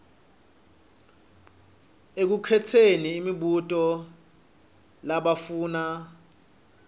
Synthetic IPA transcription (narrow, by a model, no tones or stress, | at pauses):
ek̬ukʰɛtʰeniːmiɓutʼɔ | laɓafuːna